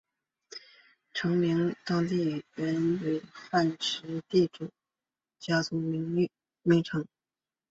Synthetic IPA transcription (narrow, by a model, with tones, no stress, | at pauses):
ʈ͡ʂʰɤ˧˥ŋmi˧˥ŋt̪ɑ˥ŋt̪̬i˥˩ɻə˧˥nwe˧˩ɪfa˥˩nʈ͡ʂʰɻ̩˧˥t̪i˥˩ʈ͡ʂu˨˩˦ | t͡ɕja˥t͡sʰu˧˥ŋ˧˥ŋ˥˩ | mi˧˥ŋʈ͡ʂʰɤ˧˥ŋ